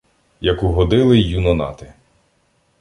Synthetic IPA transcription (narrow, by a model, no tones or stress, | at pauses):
jɐkuɦɔd̪ɪlˠɪjunɔnɑ̰t̪ɪ